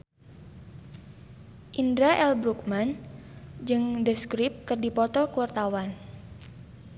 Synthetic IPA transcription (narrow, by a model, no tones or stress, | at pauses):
ʔindɾaʔɛlbɾuk̚man | d͡ʒɨŋdəskɾip̚kərdipɔt̪ɔkuwart̪awan